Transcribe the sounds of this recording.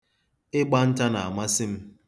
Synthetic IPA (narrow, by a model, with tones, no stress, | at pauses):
ɪ˦ɡ͡ba˦n̩˦t͡ʃa˦na˨a˨ma˦sɪ˦m̩˦